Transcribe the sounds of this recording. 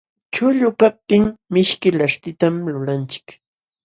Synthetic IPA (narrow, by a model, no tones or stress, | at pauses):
t͡ʃʊʎʊkap̚t̪ɪŋmɪʃkɪlaʃt̪ɪt̪amlʊlant͡ʃɪ̥k